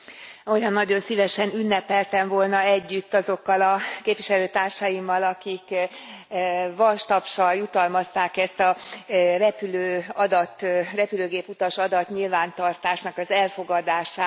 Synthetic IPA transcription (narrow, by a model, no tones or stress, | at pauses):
o̞jɒnːɒɟo̞nsivɛʃɛnynːɛpɛlt̪ɛɱvo̞lnɒɛɟːyt̪ːɒzo̞kːɒlɒkeːpʋiʃɛløːt̪aːrʃɒjimːɒlɒkik | vɒlʃt̪ɒpʃɒljut̪ɒlmɒst̪aːkɛst̪ɒrɛpyløːɒd̪ɒt̪ːrɛpyløːɡeːput̪ɒʃɒd̪ɒt̪ɲilvaːnt̪ɒrt̪aːʃnɒkɒzɛlfo̞ɡɒd̪aːʃaːt̪